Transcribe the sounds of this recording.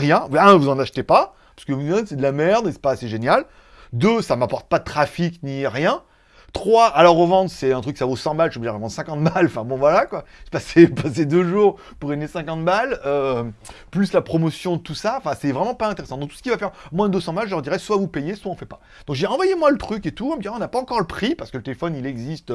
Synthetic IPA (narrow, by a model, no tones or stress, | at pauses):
ʁjɛ̃vaɛ̃vuzɑ̃naʃt̪epa | pḁskəvud̪ɛ̃sɛd̪əlamɛʁd̪esɛ̥paseʒenjal | d̪øsamapɔʁt̪̚pad̪ət̪χafikniʁjɛ̃ | t̪χwaalɔʁəvɑ̃d̪ʁəsɛɛ̃t̪χykːə̥savosɑ̃malʒobiʒʁəvɑ̃d̪ʁsɛ̃kɑ̃t̪malɑ̃fɛ̃bɔ̃vwalakwaʒ̥pasepased̪øʒuʁ | puʁenesɛ̃kɑ̃t̪malø | plyslapχɔmɔsjɔ̃d̪ət̪usaɑ̃fɛ̃sɛvʁɛmɑ̃paɛ̃t̪eʁesɑ̃d̪ɔ̃k̚t̪u̥səkʲivafɛʁmwɛ̃d̪øsɑ̃malʒəlœʁd̪iʁɛswavupejeswaɔ̃fɛpḁ | d̪ɔ̃kʒəd̪iʁɑ̃vwajemwalət̪χyket̪uɛ̃məd̪iʁɔ̃napaɑ̃kɔʁləpχipaʁsə̥kələt̪elefɔnilɛɡzist̪